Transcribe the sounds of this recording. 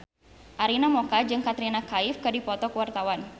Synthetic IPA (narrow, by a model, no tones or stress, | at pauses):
ʔaɾinamɔkad͡ʒɨŋkat̪ɾinakaɪfkɨdipɔt̪ɔkəwart̪awan